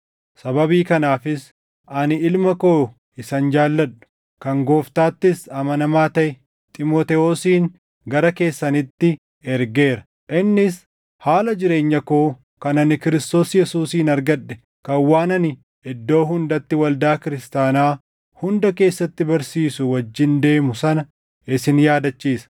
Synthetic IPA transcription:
sɐbɐbiːkɐnaːfɪs | ɐnɪlmɐkoː | ɪsɐnd͡ʒaːlːɐᶑʊ̥ | kɐŋɡo̞ːft̪aːt̪ːɪsɐmɐnɐmaːt̪ɐʔɛ | t̪ʼɪmoːt̪ɛoːsiːŋ | ɡɐɾɐke̞ːsːɐnɪt̪ːɪ | ɛɾɡe̞ːɾɐ̥ | ʔɪnːɪs | haːlɐd͡ʒɪɾe̞ːɲːɐkoː | kɐnɐnɪkɪɾɪst̪o̞ːsjɛsuːsiːnɐɾɡɐᶑːɛ̥ | kɐwːaːnɐnɪ | ɪd̪ːo̞ːɦʊnd̪ɐt̪ːɪwɐld̪aːkɪɾɪst̪aːnaː | hʊnd̪ɐke̞ːsːɐt̪ːɪbɐɾsiːsʊwɐd͡ʒːɪnd̪e̞ːmʊsɐnɐ | ɪsɪnjaːd̪ɐt͡ʃːiːsɐ̥

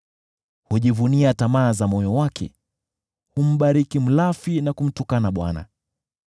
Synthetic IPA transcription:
huʄivuniatamaːzamɔjɔwakʰɛ̰ | hum̩ɓaɾikim̩lafinakum̩tukanaɓwa̰na̰

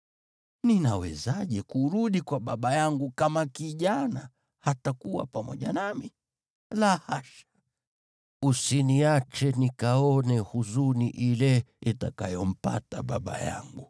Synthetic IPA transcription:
ninawɛzaʄɛkuɾuɗikwaɓaɓajaŋɡukamakiʄana | hatakuwa̰pamɔ̰ʄanami | lahaʃḁ | usiniat͡ʃɛnikaɔnɛhuzuniʔilɛitakajɔm̩pa̰ta̰ɓaɓa̰ja̰ŋɡu

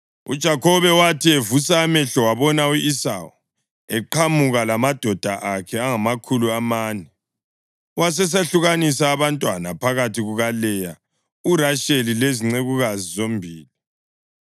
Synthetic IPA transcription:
ṵd̥ʒ̥ʱakʰɔβɛwatʰievusamɛɬɔwaβɔnauisa̰u | ɛǃʰamuɣalamad̥ʱɔd̥ʱaʔakʰɛaŋamakʰuluamaːnɛ | was̬ɛs̬eɬuɣanisaːβantʼwanapʰaɣatʰiɣuɣalɛja | uraʃelileziŋ͡ǀeɣuɣazizombʱiːli

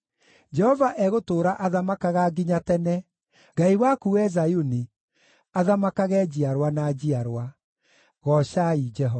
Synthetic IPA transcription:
d͡ʒɛhɔvaʔɛɣotoːɾaʔaðamakaɣaɡiɲatɛnɛ | ɡaiwakuɛzajuni | aðamakaɣɛd͡ʑiaɾwanad͡ʑiaɾwa | ɣɔɕaid͡ʒɛɦɔ

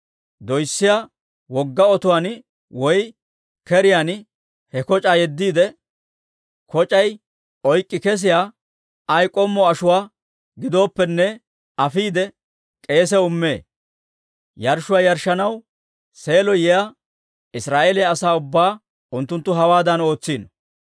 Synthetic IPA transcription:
d̪ɔjsːɪja | wɔɡːɐɔt̪ʊwan | wɔj | kɛɾɪjan | hɛkɔt͡ʃʼaːjɛd̪ːiːd̪ɛ | kɔt͡ʃʼɐj | ɔjkʼːɪkɛs̬ɪjaː | ɐjkʼɔmːɔɐʃʊwaː | ɡɪd̪o̞ːpːɛnːɛ | ɐfiːd̪ɛ | kʼe̞ːs̬ɛʊmːe̞ː | jɐɾʃʊwaːjɐɾʃːɐnɐw | se̞ːlɔjɛja | ɪsɾaːʔeːlɪjaːsaːʊbːaː | ʊnt̪ːʊnt̪ːʊɦɐwaːd̪ɐno̞ːt͡sːiːnɔ

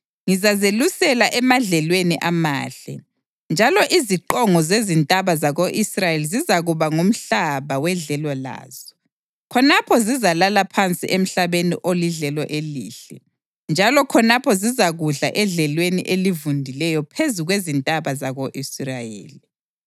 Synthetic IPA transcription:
ŋizazelusɛlaʔɛmaɮɛlweniʔamaːɬɛ̰ | nd͡ʒʱalɔʔiziǃɔŋɔzezintʼaβazaɣoʔisrajelizizaɣuβaŋom̩ɬaβawɛɮɛlɔla̰ːz̥ɔ̥ | kʰɔnapʰɔzizalalapʰant͡sʼḭʔem̩ɬaβenḭʔoliɮɛlɔʔelḭːɬɛ | nd͡ʒʱalɔkʰɔnapʰɔzizaɣuɮa̰ʔɛɮɛlwenḭʔelivundʱilɛjɔpʰezuɣwezintʼaβazaɣoʔisrajḛːli

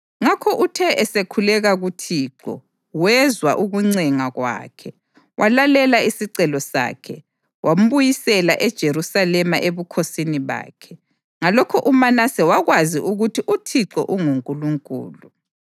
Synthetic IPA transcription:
ŋakʰɔʔutʰɛʔɛsekʰulɛɣaɣutʰiːǃɔ̰ | wɛzwaʔuɣuŋ͡ǀɛŋaɣwa̰ːkʰɛ | wʔalalɛlaisiǀɛlɔsa̰ːkʰɛ | wʔam̩βujisɛlaʔɛd̥ʒ̥ʱeɾusalɛmaʔeβukʰosiniβa̰ːkʰɛ | ŋalɔkʰɔʔumanasɛwaɣwaziʔuɣutʰiʔutʰiǀɔ̰ʔuŋuŋkʼuluŋkʼṵːlu

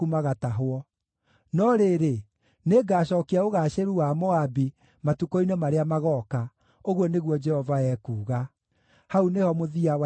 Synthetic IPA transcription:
umaɣataɦwɔ | nɔɾeɾe | neɡaːɕ̬ɔkiaoɣaːɕeɾuwamoabi | matukɔinɛmaɾeamaɣɔːka | oɣwɔneɣwɔd͡ʒɛhɔvaɛkuːɣa | haunehɔmoðiawa

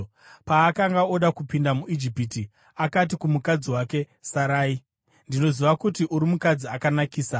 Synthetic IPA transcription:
paːkaŋɡao̞ɗakupindamuʔid͡ʒipiti | akat̬ikumukad͡ziwake̞ | saɾaːi | ndino̞ziʋakutiʔuɾimukad͡ziakanakiːsa

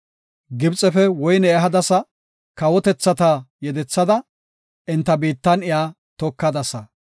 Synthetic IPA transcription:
ɡɪbt͡sʼɛfɛwɔjnɛːɦɐd̪ɐsɐ | kɐwɔt̪ɛt͡sːɐt̪aːjɛd̪ɛt͡sːɐd̪ɐ | ʔɪnt̪ːɐbiːt̪ːɐnɪjaː | t̪ɔkːɐd̪ɐsɐ

